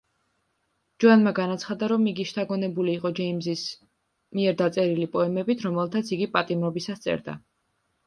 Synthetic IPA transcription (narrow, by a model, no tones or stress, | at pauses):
d͡ʒuanmaɡanat̪sʰχad̪aɾɔmiɡiʃt̪ʰaɡɔnɛbuliːqʼɔd͡ʒɛimzis | miɛɾd̪at̪sʼɛɾilipʼɔɛmɛbit̪ʰɾɔmɛlˠt̪ʰat̪sʰiɡipʼat̪ʼimɾɔbisast̪sʼɛ̰ɾd̪a̰